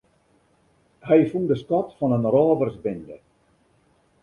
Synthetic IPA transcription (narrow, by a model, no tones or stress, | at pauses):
hɛjfundəskɔtfɔnənrɔːvərsbɪndə̰